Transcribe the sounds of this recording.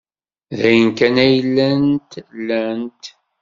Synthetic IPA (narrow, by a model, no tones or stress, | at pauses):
ðæjənkænæjəlːænt̪lːænt̪